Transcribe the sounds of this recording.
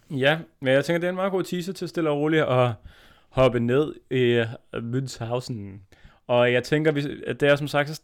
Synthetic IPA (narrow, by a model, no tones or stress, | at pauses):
jæmnjɑɪt͡sʰeŋɡ̥ɐd̥eæɐenmɑ̈ːɡ̥o̝̰ːt͡sʰiːsət͡sʰe̝sd̥e̝lʁo̝ːliʔɒ̽ | hɒ̽b̥əne̝ð̞̰ˠimyð̰shɑ̈ʊsn̩ | ɒ̽jɑ̈ɪt͡sʰeŋɡ̥ɐʋid̥eæsɒ̽msɑ̈ɡ̥d̥s